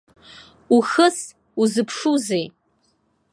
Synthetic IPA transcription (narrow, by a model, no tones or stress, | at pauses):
uxəs | uzɨpʰʂuzej